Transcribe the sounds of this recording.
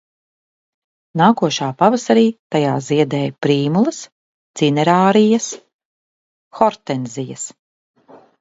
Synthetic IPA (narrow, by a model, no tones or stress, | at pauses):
naːkuɔʃaːpavasaɾiːt̪ajaːziɛd̪ɛːjpɾiːmulˠɐs | t̪sinɛɾaːɾijas | xɔɾt̪ɛnzijɐ̰s